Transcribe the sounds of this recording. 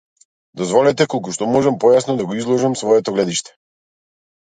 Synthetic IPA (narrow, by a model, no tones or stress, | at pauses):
d̪ɔzvɔlɛt̪ɛkɔlˠkuʃt̪ɔmɔʒɛmpɔjasnɔd̪aɡɔizlˠɔʒamsvɔɛt̪ɔɡlɛd̪iʃt̪ɛ̥